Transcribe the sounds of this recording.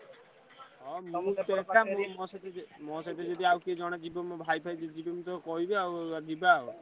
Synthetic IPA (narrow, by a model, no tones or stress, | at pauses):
ɔmũt̪ɔkamɔmɔsat̪mɔsat̪ed͡ʒɔd̪iawkid͡ʒɔɽ̃ed͡ʒibɔmɔbʱajbʰʱajd͡ʒed͡ʒibemut̪̬ɔkɔɦibeawad̪ibaw